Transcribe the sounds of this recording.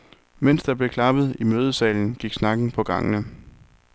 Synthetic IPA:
men̰sd̥ɑ̈b̥le̝kʰlɑ̈b̥ð̞̩ˠimøːð̞ˠəsɛ̰ːln̩ɡ̥iɡ̥snɑ̈ɡ̥n̩pʰɒ̽ɡ̥ɑ̈ŋ̰ənə

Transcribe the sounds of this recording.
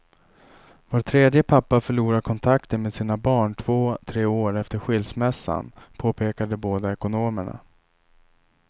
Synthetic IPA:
voːɾt̪ʰɾeːd̪jəpʰapːafœɭuːɾaɾkʰɔnt̪ʰakt̪ənmeːd̪siːnabɑːɳʈʰv̥oːt̪ʰɾeːoːɾɛft̪əɾɧɪlsmɛsːa̰npʰoːpʰeːkad̪əboːd̪aɛkʊnoːməɳa̰

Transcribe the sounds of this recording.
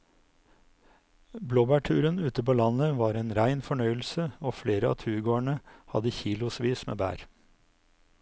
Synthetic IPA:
bloːbæʈʰʉːɾənʉːt̪əpoːlɑnəʋɑːɾeːnɾæɪnfɔɳœʏl̩səoːfleːɾəɑ̰ːt̪ʰʉːɾɡoːæɳəhɑ̰d̪əçiːlʊsʋiːsmḛːbæ̰ːɾ

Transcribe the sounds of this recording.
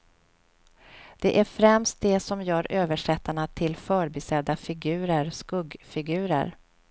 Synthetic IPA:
d̪̥ɛʔæɾfɾɛmst̪̚d̪ɛsɔmjœːɾøːvəʂɛt̪ːaɳat̪ʰɪlfœːɾbɪsɛd̪ːafɪɡʉ̟ːɾəɾskɵɡfɪɡʉ̟ːɾə̰ɾ

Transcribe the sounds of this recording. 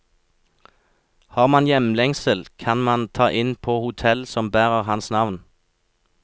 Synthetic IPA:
hɑːʁmɑnjɛmlɛŋsəlkʰɑnmɑnt̪ʰɑːʔɪnpʰoːhʊt̪ʰɛlsɔmbæːʁəʁhɑnsnɑʋn

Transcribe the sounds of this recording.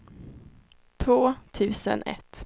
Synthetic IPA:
t̪ʰvoːt̪ʰʉ̟ːsə̰nʔɛ̰t̪ː

